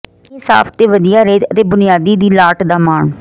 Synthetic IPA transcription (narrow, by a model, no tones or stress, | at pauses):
eːsa̰ːpʰt̪eːʋəd̪ijaːɾeːt̪ət̪eːbʊnɪjaːd̪iːd̪iːlaːʈd̪aːmaːɳ